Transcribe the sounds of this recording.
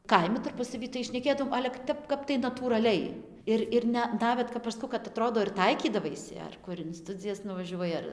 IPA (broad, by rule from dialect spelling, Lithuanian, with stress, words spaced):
ˈkɐɪmʲɪ tɐrˈpʊsɐʋʲiː tɐɪ ʃʲnʲɛˈkʲeːdɐoːm ˈɑːlʲɛ kɐ ˈtʲɛp ˈkɐp tɐɪ nɐtuːrɐˈlʲɛɪ ˈɪr ɪr ˈnʲɛ ˈnɑːʋʲɛt kɐp ɐʃ ˈskɐʊ kɐt ɐˈtroːdoː ɪr ˈtɐɪkʲiːdɐʋɐɪsʲɪ ɐr ˈkʊr ɪn ˈstʊd͡zʲɪjɛs nʊʋɐˈʒʲuɔjɪ ɐr